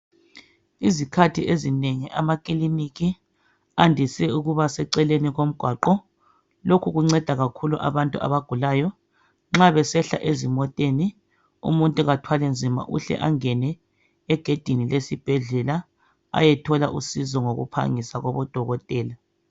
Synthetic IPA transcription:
izikʰatʰiʔezineŋiʔamakʼiliniki | andʱisɛuɣuβasɛǀɛleniɣom̩ɡ̥ʱwaǃɔ | lokʰuɣuŋ͡ǀɛd̥ʱaɣakʰuluʔa̰βantʼua̰βaɡ̥ʱulaːjɔ | ŋ͡ǁaβɛsɛɬa̰ʔezimɔtʼeni | ṵmuntʼuɣatʰwalɛnd͡zʱima̰ʔṵɬɛ̰ʔaŋɛnɛ | ɛɡ̥ʱed̥ʱinilesib̥ʱɛɮɛla | a̰jɛtʰɔlaʔusizɔŋoɣṵpʰa̰ŋisaɣɔβɔd̥ʱɔɣɔtʼɛːla

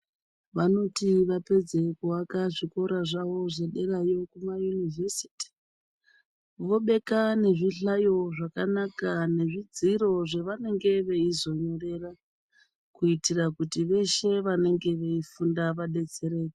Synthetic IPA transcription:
ʋano̞tiʋape̞d͡ze̞kuwakaʐiko̞ɾaʐaʋo̞ʐe̞ɗe̞rajo̞kumajunivesi̥ti̥ | ʋo̞ɓe̞kane̞ʐiɬajo̞ʐakanakane̞ʐid͡ziɾo̞ʐe̞ʋane̞ŋɡe̞ʋe̞izo̞ɲo̞re̞ra | kuitirakutiʋe̞ʃe̞ʋane̞ŋɡe̞ʋeifundaʋaɗe̞t͡se̞ɾe̞ːki

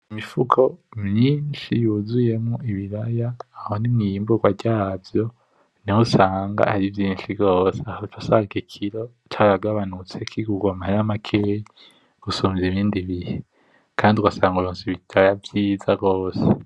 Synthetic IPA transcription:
imifukʰo̞mɲiːnʃijuzuje̞mŋuiβiɾajaːhonimŋijiːmbuɡwaɟavjo̞ | nihusaːŋɡa̰aɾivjiːnʃivɡo̞ːseahotwasaːŋɡikʰiɾo | t͡ʃaβaɡaβanut͡se̞kʰiɡuɡwamahaɾamakʰeji | ɡ̥usomziβiːndiβihe | kʰaːndiuɡasaːŋɡuɾoːnsiβitʰajavjiːzaɡo̞ːse̥

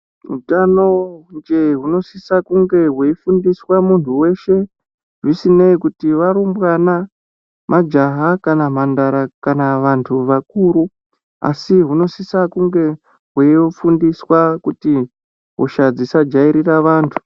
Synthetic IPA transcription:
ɦṵtano̞nd͡ʒe̞ɦuno̞sisakuŋɡe̞ɦweifundiswamuntʰuwe̞ʃe̞ | ʐisineikutiʋaɾumbwana | mad͡ʒaɦakanam̤andaɾakanaʋantʰuʋakuːɾu | a̰siɦuno̞sisakuŋɡe̞ | ɦwefundiswakuti | ɦoʃad͡zisad͡ʒaiɾiraʋaːntʰu̥

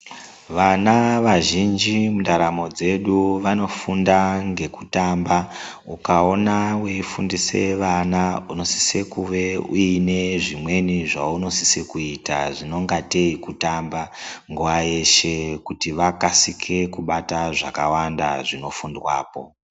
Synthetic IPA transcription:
ʋanaʋaʒind͡ʒimundaɾamo̞d͡ze̞ɗuʋano̞fundaŋɡe̞kutamba | ukao̞naweifundise̞̰ʋanauno̞si̥sekuʋe̞uine̞ʐimwe̞niʐauno̞si̥sekuita̰ʐino̞ŋɡate̞ikutambaŋɡuʋaje̞ʃe̞kutiʋakasikʰe̞kuɓataʐakawanda̰ʐino̞fundwa̰ːpo̞̰

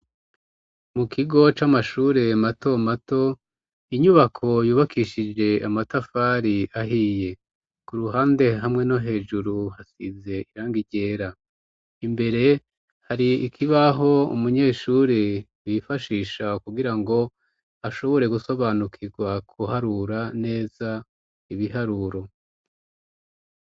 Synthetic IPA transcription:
mukʰiɡo̞t͡ʃamaʃuːɾe̞mato̞mato̞ | iɲuβakʰo̞juːβakʰiʃid͡ʒe̞amatafaɾiaɦije̞ | kuɾuɦaːnde̞ɦamŋe̞noɦe̞ːʒuɾuhasḭze̞iɾaːŋɡiɟe̞ːɾa | imbe̞ɾe̞ | haɾiikʰiβaɦo̞ṵmuɲe̞ːʃuɾi | wifaʃiːʃakuɡiɾaŋɡo̞ | aʃo̞βo̞ɾe̞ɡuso̞βaːnukʰiɡwakʰuhaɾuɾane̞ːza | iβiɦaɾuɾo̞

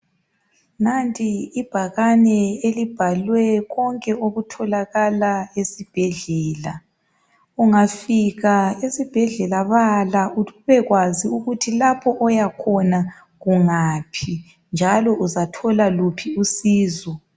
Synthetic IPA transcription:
nantʼiːb̥ʱaɣanɛelib̥ʱalwɛɣɔŋkʼɛoɣutʰɔlaɣalaesib̥ʱɛɮɛːla | uŋafiɣaesib̥ʱɛɮɛlaβalauβɛɣwaziuɣutʰilapʰɔʔɔjakʰɔna | ɣuŋaːpʰi | nd͡ʒʱalɔʔuzatʰɔlalupʰiusiːzɔ

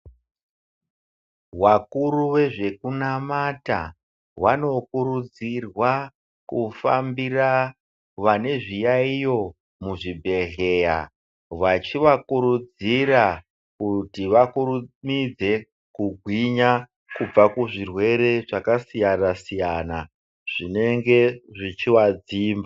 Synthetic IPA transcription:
wakuruʋe̞ʐe̞kunamata̰ | wano̞kuɾud͡zirwa | kufa̰mbira | ʋane̞ʐijaijo̞ | muʐibʱe̞ɮe̞ja̰ | ʋat͡ʃiʋakuɾud͡zira | kutiʋakuɾumid͡ze̞ | kuɡʱwiɲa | kub͡vakuʐirwe̞ɾe̞ʐakasijanasijana | ʐ̥ine̞ŋɡe̞ʐit͡ʃiwad͡ziːmba

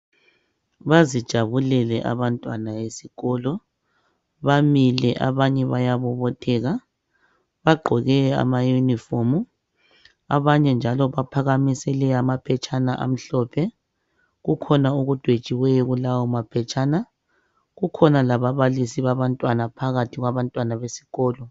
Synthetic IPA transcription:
βazid̥ʒ̥ʱaβulɛlɛʔa̰βantʼwanajesiɣɔlɔ | βamilɛʔa̰βaɲɛβajaβɔβɔtʰɛːɣa | βaɡ͡ǃʱɔɣɛa̰majunifɔmu | a̰βaɲɛnd͡ʒʱalɔβapʰaɣamisɛlɛamapʰɛt͡ʃʼanaʔa̰m̩ɬɔpʰɛ | ɣukʰɔnauɣud̥ʱwed̥t͡ʃʼiwɛjɔɣulawɔmapʰɛt͡ʃʼaːna | ɣukʰɔnalaβaβalisiβaβantʼwanapʰaɣatʰiɣwaβantʼwanaβesi̥ɣɔːlɔ

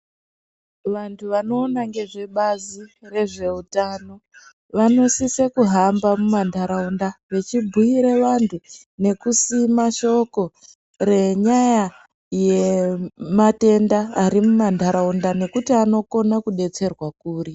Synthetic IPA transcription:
ʋantʰuʋano̞ːnaŋɡe̞ʐe̞ɓazire̞ʐe̞utano̞ | ʋano̞sisekuɦambamumandʱaɾaundaʋe̞t͡ʃibʱuiɾeʋantʰu | ne̞kusimaʃo̞ko̞ | re̞ɲaja | je̞mate̞ndaːɾimumandʱaɾaundane̞kutiano̞ko̞nakuɗe̞t͡se̞rwakuːri

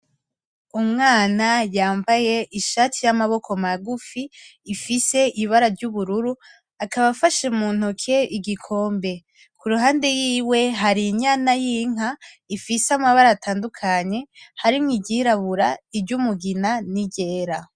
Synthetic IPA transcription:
umŋaːnajaːmbaje̞ʔiʃaːtʰijamaβo̞kʰo̞maɡufiːfise̞iβaɾaɾɟuβuɾuɾu | akaβafaʃemuːn̥hukʰeʔiɡikʰo̞ːmbe̞ | kʰuɾuɦaːndejiːwe̞ɦaɾiɲanajiŋ̥a | ifisamaβaɾaːtʰaːndukʰaɲe̞haɾimŋiɟiɾaβuɾaiɟumuɡinaniɟe̞ːɾa

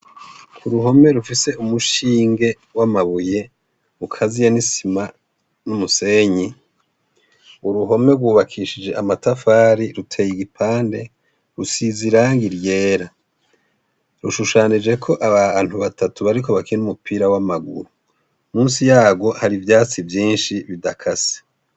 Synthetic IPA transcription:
kʰuɾuɦo̞me̞ɾufise̞umuʃiːŋɡe̞ | wamaβuje̞ | ukʰazijenisima | numuse̞ɲi | uɾuɦo̞me̞ɾɡwuːβakʰiːʃid͡ʒe̞ʔamatafaːɾiɾutʰe̞ːjiɡipʰaːnde̞ | ɾusiziɾaːŋɡiɾje̞ːɾa | ɾuʃuʃaːnid͡ʒe̞kʰo̞ʔaβaːn̥huβatʰatuβaɾiko̞βakinumupʰiːɾawamaɡṵɾu | muːnsijaːɡo̞haɾivjaːt͡sivjiːnʃiβidakʰase̥

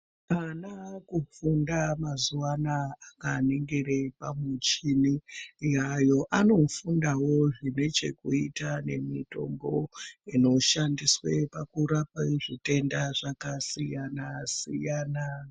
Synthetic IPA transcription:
anakufundamazuwanaːkaneŋɡerepamut͡ʃinijajo̞ʔano̞fundawo̞ʐine̞t͡ʃe̞kuitane̞mito̞̰mbo̞ino̞ʃandiswe̞pakuɾapaiʐite̞ndaʐakasijanasijana

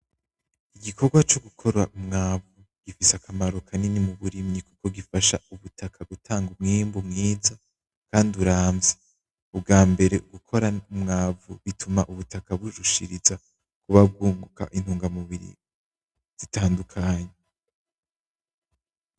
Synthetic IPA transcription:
iɡikʰo̞ɾɡwat͡ʃo̞ɡukʰo̞ɾaumŋaːvu | ɡ̥ifisakʰamaɾo̞kʰaninimuβuɾimɲikuko̞ɡifaʃauβutʰakʰaɡutʰaːŋɡumŋimbumŋiːza | kaːnduɾaːmvze | ubɡaːmbe̞ɾe̞ʔuɡukʰo̞ɾaumŋaːvuβitʰumaʔuβutakaβuʒuʃḭɾiza | kuβab̚ɡuːŋɡuka̰ʔin̥huːŋɡamuβiɾḭ | z̥itaːndukʰaːɲe

